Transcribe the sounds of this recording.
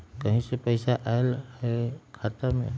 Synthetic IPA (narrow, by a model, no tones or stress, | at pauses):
kʌɦĩsepəjsaʔaelhekʰat̪amḛ